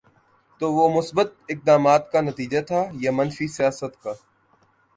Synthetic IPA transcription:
t̪oːʋoːmʊsbət̪̚ɪk̚d̪aːmaːt̪kanɐt̪iːd͡ʒat̪ʰaːjamɐnfisijaːsət̪kaː

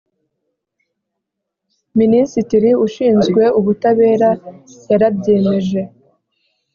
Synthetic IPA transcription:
minisitiɾiuʃiːnzɡwe̞uβutaβe̞ːɾajaɾabɟeːmeʒe̞

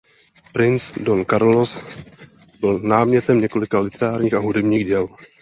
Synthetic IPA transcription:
pɾɪnt͡sdonkaɾlos | bɪlnaːmɲɛt̪ɛmɲɛko̞lɪkalɪt̪ɛɾaːɾɲiːxaɦudɛbɲiːɣɟɛl

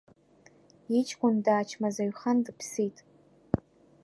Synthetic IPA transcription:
it͡ʃʼkʷʼʊndaːt͡ʃʰmazaɥχandɨpʰsitʼ

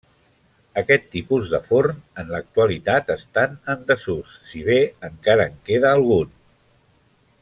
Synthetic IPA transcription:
əkɛt̪ːipuzðəfoɾnənlək̚t̪uəlit̪at̪əst̪anənd̪əsusːiβ̞eəŋkaɾəːŋkeðəːlˠɣ̞un

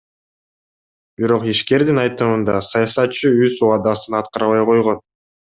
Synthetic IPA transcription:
biɾo̞qiʃke̞ɾd̪inɑjt̪ɯmɯnd̪ɑsɑjɑsɑt̪̚t͡ʃːɯyzuɑd̪ɑsɯnɑt̪qɑɾɑβɑjqo̞jʁo̞n

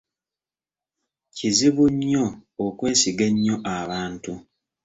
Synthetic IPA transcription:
ciziβuɲːo̞ːkwe̞ːsiɡeɲːo̞ʔaβaːntu

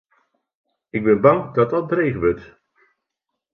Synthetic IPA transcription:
ɪɡ̚bɛnbɑŋdɑtdɑt̚brejχəʋɵt

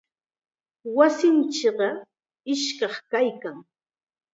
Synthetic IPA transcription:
wasɪnt͡ʃɪɢɑ | ɪʃkɑχkajkaŋ

